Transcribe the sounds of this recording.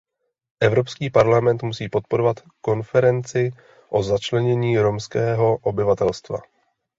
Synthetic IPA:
ʔɛvɾo̞pskiːpaɾlamɛnt̪musiːpo̞t̪̚po̞ɾo̞vat̪ | ko̞nfɛɾɛnt͡sɪ | ʔo̞zat͡ʃlɛɲɛɲiːɾo̞mskɛːɦo̞ʔobɪvat̪ɛlst̪va̰

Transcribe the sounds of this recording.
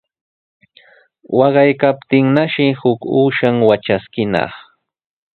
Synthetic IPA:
wɑɢɑjkapt̪ɪŋnaʃɪhʊkuːʃaŋwat͡ʃaskɪnɑ̰χ

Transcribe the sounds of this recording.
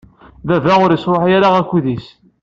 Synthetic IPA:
ðævæʁʊɾjəsɾˤoħjaɾaʁækʷːuðis

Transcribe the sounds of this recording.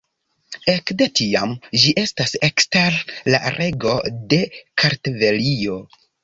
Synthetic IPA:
ekdetiamd͡ʒiʔe̞stase̞ksteɾla̰ɾʔe̞ɡo̞de̞kʰaɾtve̞lio̞

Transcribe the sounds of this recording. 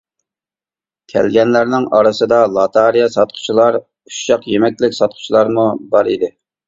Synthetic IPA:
kʲʰɛ̰lɡʲɛnlæɾnɪŋɑɾɨsɨd̪ɑlˠɑt̪ʰɑɾijɑsɑt̪̚qʰʊ̥t͡ʃʰilˠɑɾ | uʃɑqjemɛk̚ʲlɪkʲsɑt̪̚qʰʊ̥t͡ʃʰilˠɑɾmubɑɾid̪ɪ

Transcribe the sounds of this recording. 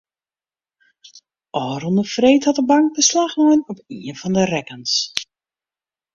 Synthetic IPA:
ʔɔːrɔndəfreːthɑtəbaŋk̚bəslaxnɔənɔpiəfɑndərɛkəns

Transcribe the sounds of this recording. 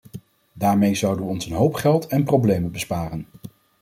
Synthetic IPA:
daːɹmejzʌwdəʋɔnsənɦowpχɛlˠtɛnprowblejmənbəspaːrən

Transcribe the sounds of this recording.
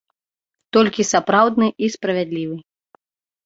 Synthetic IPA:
t̪ɔlʲkʲisapɾawd̪nɨʔispɾɐvʲad̪lʲivɨ

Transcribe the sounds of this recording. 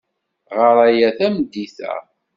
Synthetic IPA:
ʁəɾˤæjæθæmd̪ːiθæ̰

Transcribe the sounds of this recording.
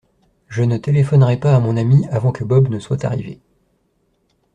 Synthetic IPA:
ʒənət̪elefɔnʁɛpaːmɔ̃namiavɑ̃kəbɔbnəswat̪a̰ʁivḛ

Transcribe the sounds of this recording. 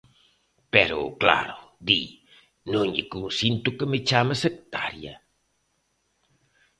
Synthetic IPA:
pɛɾʊ̰kla̰ɾʊd̪i | nõŋʎekunsint̪ukəmet͡ʃamɐsek̚t̪a̰ɾjɐ̰

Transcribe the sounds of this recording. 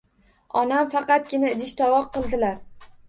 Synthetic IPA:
ɒnamfɑqɑt̪̚ɡʲɪnad̪ɪʃt̪ʰɒwɒq̚ʰːɨlˠd̪ɪlaɾ

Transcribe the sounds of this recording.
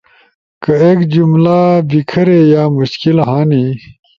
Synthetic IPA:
kɐeːkd͡ʑumlabikʰɐɾejaːmuɕkilɦãːni

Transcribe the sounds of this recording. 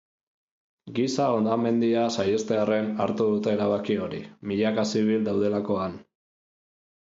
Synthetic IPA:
ɡisao̞nd̪ame̞nd̪iasajest̪e̞are̞naɾt̪uðut̪eeɾaβakio̞ɾimiʎakasiβild̪awð̞e̞lako̞an

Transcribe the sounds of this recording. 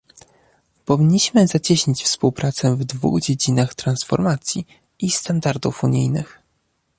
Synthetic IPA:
pɔvʲiɲːiɕmɘzat͡ɕɛɕɲit͡ɕfspuwpɾat̪sɛvd̪vṵɣd͡ʑed͡ʑinaxt̪ɾansfɔ̰ɾmat̪sʲji | ist̪and̪aɾd̪ufuɲijnɘ̰x

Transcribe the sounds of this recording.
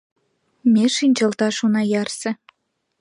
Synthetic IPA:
mʲeʃinʲt͡ɕɑlt̪ɑʃunɑjɑrsĕ

